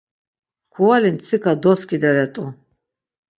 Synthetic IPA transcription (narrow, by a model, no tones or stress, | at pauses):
kʰuwalimt͡s̪ʰikʰad̪ɔskʼid̪aɾɛt̪ʼu